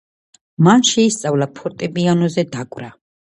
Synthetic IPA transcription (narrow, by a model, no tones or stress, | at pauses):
manʃɛist̪sʼavlapʰɔt̪ʼɛbianɔzɛd̪akʼvɾa